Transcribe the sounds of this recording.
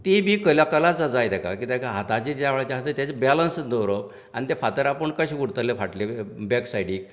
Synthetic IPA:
t̪ibʱikəljakalat͡sd͡zad͡zajt̪ɛka̰kiːt̪akaɦat̪at͡ɕid͡ʑeaʋɭt͡ɕaɦat̪et̪at͡sebɛlənsd̪əɾəp | a̰ñit̪efat̪əɾapəɳkəɕiɡuɽt̪əlefaʈlebɛksajɽiːk̚

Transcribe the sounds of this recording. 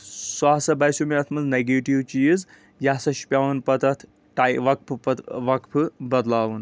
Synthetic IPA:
swaːsɐbɐjsumiɐt̪ʰmɐzneɡeːʈiʋt͡ʃiz | jasɐʃi̥pʲjaːʋunpɐt̪ɐt̪ʰ | ʈajʋɐk̚pʰʋɐkpʰɨbɐd̪laːʋun

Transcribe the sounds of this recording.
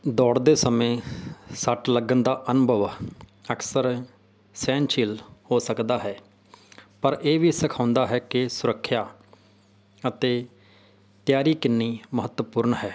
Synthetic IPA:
d̪ɔːɽd̪eːsəmẽːsəʈləɡənd̪aːʔənʊbʱəʋəksəɾ | sɛ̃ːnt͡ʃiːlhoːsəkd̪aːɦɛː | pəɾeːʋiːsəkʰãːʊ̃nd̪aːɦɛːkɪsʊɾəkʰːjaː | ət̪eː | t̪jaːɾiːkɪnːiːməɦət̪wəpʊːɾɳɦɛː

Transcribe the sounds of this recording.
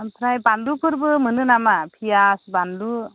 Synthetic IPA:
pʰɾajbandupʰɯɾbɯmɯnɯnamapʰijasbandu

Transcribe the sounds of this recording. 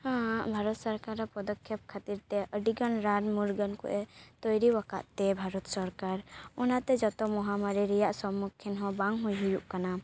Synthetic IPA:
hãbʱaɾɔt̪sɔɾkaɾapɔd̪ɔkʰːjɛp̚kʰat̪iɾt̪ɛʔəɖiɡanɾanmuɾɡənkɔ̰ʔɛt̪ɔjɾiwaka̰ʔt̪ɛbʱaɾɔt̪sɔɾkaɾɔnat̪ɛd͡ʒɔt̪ɔmɔɦamaɾiɾɛjaʔsɔmːukʰːɛnɦɔ̃baŋɦujɦujuʔkana

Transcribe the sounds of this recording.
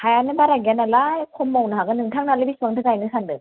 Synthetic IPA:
hajanɯbaɾaɡjanalajkʰɔmːawnɯɦaɡɯnɯŋtʰaŋnalɯbisuaŋtʰɯɡajnɯsʰandɯ

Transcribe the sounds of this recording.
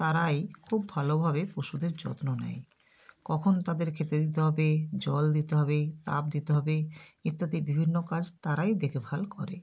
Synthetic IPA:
t̪aɾajkʰubːʱalobʱabepɾoʃud̪eɾd͡ʑɔ̰t̪nona̰j | kɔkʰont̪ad̪eɾkʰet̪ed̪it̪̬eɦɔbed͡ʑɔld̪it̪eɦɔbet̪a̰p̚d̪it̪eɦɔbeit̪ːat̪ibibʱinːokad͡ʑt̪aɾajd̪ekʰebʱalkɔɾḛ

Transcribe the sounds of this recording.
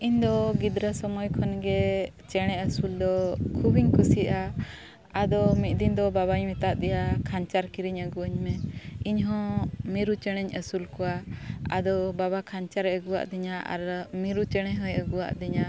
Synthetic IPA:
iɲd̪ɔɡid̪ɾəsɔmɔjkʰɔnɡɛ | t͡ʃɛɽ̃ɛəsuld̪ɔkʰubiɲkusiʔa | ad̪ɔmit̪̚ˀd̪ind̪ɔbaβaɲmit̪aʔd̪ɛjakʰaɲt͡ʃaɾkiɾiɲəɡuəɲmɛiɲɦɔ̃miɾut͡ʃɛɽ̃ɛɲəsulkɔwaad̪ɔbaβakʰaɲt͡ʃaɾɛəɡuwa̰ʔd̪iɲaʔa̰ɾmiɾut͡ʃɛɽ̃ɛɦɔ̃jəɡuwa̰ʔd̪iɲa

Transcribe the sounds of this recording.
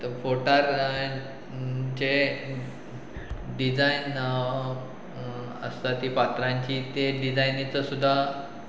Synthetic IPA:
t̪əfoʈaɾ | d͡ʑe | ɖid͡zajn | ə̰st̪at̪ipat̪ɾãɲt͡ɕit̪eɖid͡zajnit͡səsud̪ʱːa

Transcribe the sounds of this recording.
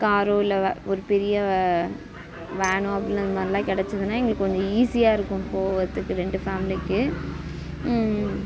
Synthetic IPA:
kaːɾoːɪlɐɔɾɯpɛɾɪjɐ | ʋeːɳõːɐpːɐɽɪnɐðɯmaːɾlãːkɪɽɛt͡ʃːɯðɯnaːɛŋɡɐɭɯkːkɔɲd͡ʒõiːsɪjaːɪɾɯkːʊ̃mpoːʋɐt̪ːɯkːɯɾɛɳɖɯfaːmɪlɪkːɯ

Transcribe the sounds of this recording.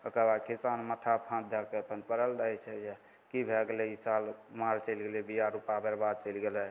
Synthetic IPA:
əkəbakisanmət̪ʰapʰãd̪ʱjakeəpənpəɾəlɾəɦɛt͡ʃʰɛd͡ʒe | kibʱeɡelɛisalmaɾt͡ʃəɪlɡelɛbijaɾupabeɾbad̪̚t͡ʃəjlɡelɛ

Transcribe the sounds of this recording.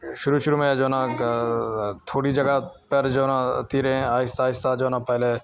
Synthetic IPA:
ʃʊɾuːʃʊɾuːmẽd͡ʒoːnã | t̪ʰoːɽid͡ʒɐɡapəɾd͡ʒoːnãt̪iːɾẽaːɪst̪aːɪst̪ad͡ʒoːnãːpɛɦle

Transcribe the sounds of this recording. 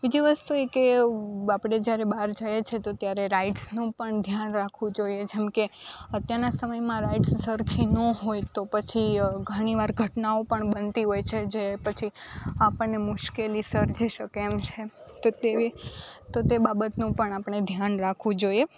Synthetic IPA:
bid͡ʒiʋəst̪uekeapɽ̃ed͡ʒjaɾebaɾd͡ʒəjet͡ʃʰet̪ot̪jaɾeɾaiʈsnũpəɳd̪ʱjanɾakʰʋũd͡ʒoied͡ʒɛmkeət̪jaɾnasəməjmãɾaiʈsːəɾkʰinoɦojt̪opət͡ʃʰiɡʱəɽ̃iʋaɾɡʱəʈnaopəɳbənt̪iɦojt͡ʃʰed͡ʒepət͡ʃʰiapəɳːemʊʃkelisəɾd͡ʒiʃəkeːmt͡ʃʰet̪ot̪eit̪ot̪ebabət̪nũpəɳapəɳ̃ed̪ʱjanɾakʰʋũd͡ʒoje

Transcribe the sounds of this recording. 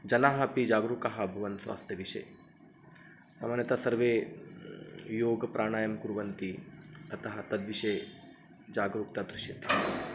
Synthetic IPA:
d͡ʒɐnaːɦɐpid͡ʒaːɡɾukɐɦɐbʱuʋɐnsʋa̰ːst̪ʰjɐʋiʃḛː | sa̰maːnjɐt̪ɐsɐɾʋeː | joːɡpɾʔaːɳaːjɐmkuɾʋɐnt̪iɐt̪ɐɦɐt̪ɐd̪ʋiʃeː | d͡ʒaːɡɾuk̚t̪ɐd̪ɾuʃjɐt̪a

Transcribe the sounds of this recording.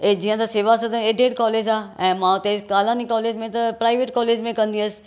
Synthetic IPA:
ed͡ʑiːə̃t̪ɐseːʋasɐt̪ɐ̃eːɖʱeːʈkɔːleːd͡ʑaːɛ̃ːmãʊt̪ekaːlaːnikɔːleːd͡ʑmẽt̪ɐpɾaːɪʋeːʈkɔːleːd͡ʑmẽkɐ̃nd̪iəsɪ̥

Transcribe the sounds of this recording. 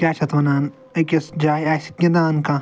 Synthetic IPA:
kʲaːt͡ʃʰɐt̪ʋɐnaːn | ɐkʲɐsd͡ʒaːjasi̥kʲːɐ̃d̪aːnkã

